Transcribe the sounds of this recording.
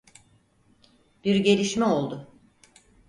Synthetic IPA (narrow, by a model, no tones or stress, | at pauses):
b̥iɾɟe̞lʲiʃmɛo̞lˠd̪ʊ